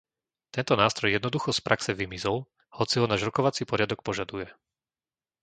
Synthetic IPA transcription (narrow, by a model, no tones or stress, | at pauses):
t̪ɛnt̪ɔnaːst̪ɾɔjɛd̪nɔd̪uxɔspɾʔaksɛʋimizɔl | hɔt͡siɦɔnaːʒɾɔkɔʋat͡sipɔɾɪad̪ɔk̚pɔʒad̪ujɛ